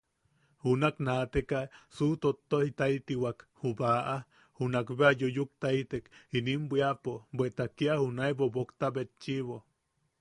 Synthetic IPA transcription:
hunaknat̪ekasut̪ot̪ːohit̪ait̪iwakhubaʔa | hunakβeajojuk̚t̪ait̪ekinimbʷiapobʷet̪akiahunaebobokt̪abet̪t͡ʃiβo

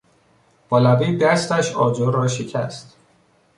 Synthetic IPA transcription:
b̥ɒlæbiːd̪æst̪æʃɒːd͡ʒoɾɾɒːʃecʰæ̰st̪

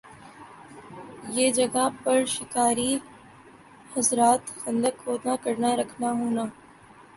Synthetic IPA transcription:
jeːd͡ʒɐɡapɐɾʃɪkaːɾi | hɐzɾaːt̪xɐ̃nd̪əkɦoːnakəɾnaɾɐkʰnaɦoːnaː

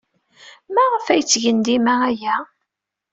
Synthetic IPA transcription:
mæʁəfæjt͡sːʝənd̪imææjæ

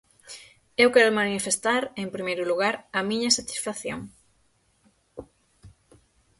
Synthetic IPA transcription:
ewkɛɾʊmanifest̪aɾempɾimejɾʊluɣaɾɐmiɲɐsat̪i̥sfaθjo̰ŋ

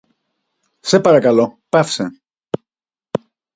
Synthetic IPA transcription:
sepaɾakalopafse

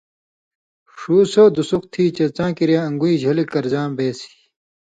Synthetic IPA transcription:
ʂuːsod̪usuxt̪ʰiːt͡ɕɐt͡sãːkiɾjaːɐŋɡuiːd͡ʑʱɐlikɐɾzãːbeːsi̥ː

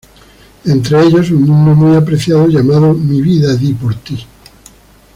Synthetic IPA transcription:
ent̪ɾeeʎos̬uŋmũnd̪omujapɾeθjaðoʝamaðomiβiðaðipoɾt̪i

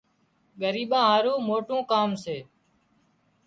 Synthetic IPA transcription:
ɠəɾiːɓãːɦaːɾũːmoːʈũːkaːmseː

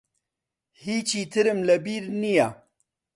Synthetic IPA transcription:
hiːt͡ʃiːt̪ʰɨɾɨmlɐbiɾnija

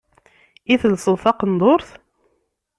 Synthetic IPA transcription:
iθəlsˤəlˤθɑqənd̪ˤoɾθ

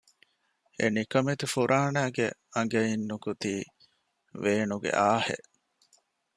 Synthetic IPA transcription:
ḛnikɐmet̪ufuɾʔaːnæːɡeɐŋɡɐinːukut̪iː | ʋeːnuɡḛʔaːhḛʔ

